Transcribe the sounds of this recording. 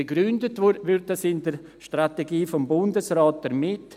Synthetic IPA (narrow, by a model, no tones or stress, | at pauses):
eɡɾʏndətʋʋyɾtdəsɪndəɾ | ʃtrateɡiːfɔmbʊndəsraːt̚d̥əɾmɪt